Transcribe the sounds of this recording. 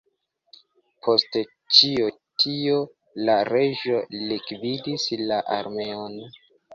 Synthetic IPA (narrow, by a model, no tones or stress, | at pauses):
pʰo̞ste | t͡ʃio | tʰio | laɾeʒo̞likvidislaʔaɾme̞on